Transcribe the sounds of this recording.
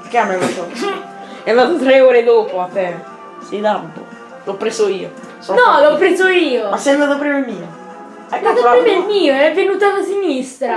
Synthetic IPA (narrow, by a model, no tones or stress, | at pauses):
keamːevat̪o | ɛand̪aːt̪ot̪ɾeoːɾed̪oːpoat̪ːɛ | sid̪abːo̰ | lɔpːɾesoiːo | sɔnɔlɔpːɾeːzoiːomasɛjand̪aːt̪opɾimemiːo | ɛat̪oppɾimɛmiːoɛvːenuːt̪alasinist̪ɾa